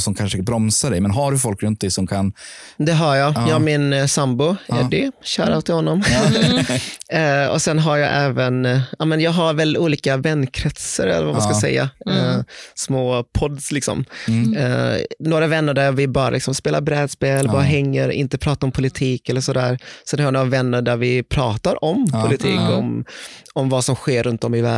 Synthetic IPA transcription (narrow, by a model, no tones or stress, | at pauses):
sɔmkʰanʂəbɾɔmsaɖɛjmɛnɦaɖɵfɔlkɾɵnt̪̚d̪ɛjsɔmkʰand̪ɛɦɑɾjɑːjɑmɪnsambʊʔɛ̰ɖɛɕœ̰ːɾaʊt̪ʰːɪhɔnːɔm | ɔ̰sɛnɦaɾjɑʔɛːvənʔaːmɛnjɑːɡɦaɾvɛluːliːkavɛnːkʰɾɛt̪səɾɛ̰lːəɾvamaskasɛ̰jːa̰ | smoːpʰɔd̪slɪksɔ̰m | noːɾavɛnːəɖæɾvɪbɑːɾa̰lɪksɔmspeːlaɾbɾɛːd̪speːlɛlːəɾbɑːɾaɦɛŋːəɾɪ̰nt̪əpʰɾɑːt̪aɾɔmpʰʊlɪt̪ʰiːkɛlːəʂɔd̪æːɾsɛnhajanoːɾavɛnːəɾɖæɾvɪpʰɾɑːt̪aɾʔɔmpʰʊlɪt̪ʰiːkɔmɔmvasɔmɧeːɾɵnt̪̚d̪ɔmɪvæː